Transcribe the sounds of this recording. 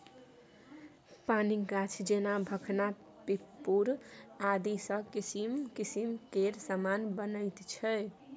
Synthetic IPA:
paniɡat͡ʃʰd͡ʒenabʱəkʰna | pipːuɾad̪isəkisimkisimkeɾsamanbənəɪt̪t͡ʃʰɛ

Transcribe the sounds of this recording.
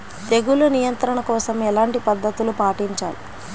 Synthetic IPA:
t̪eɡulunijɐnt̪ɾɐɳɐkɔːsɐmɛlaːɳʈipɐd̪ːɐt̪ulupaːʈiɲt͡ʃa̰ːli

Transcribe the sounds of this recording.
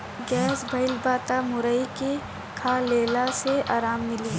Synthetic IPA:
ɡɛːsbʱəɪlbaːt̪amʊɾəike | kʰaːleːlaseaːɾaːmːɪliː

